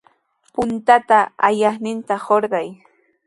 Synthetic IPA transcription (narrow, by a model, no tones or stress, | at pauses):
pʊnt̪at̪aajɑχnɪnt̪ahoɾɢɑj